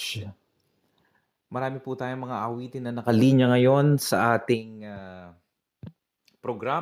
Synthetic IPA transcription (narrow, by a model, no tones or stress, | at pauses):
mɐɾaːmɪput̪aːjoŋmɐŋaʔɐwiːt̪ɪnːɐnɐkɐliːɲɐŋɐjo̞nsɐʔaːt̪ɪŋa | pɾoɡɾa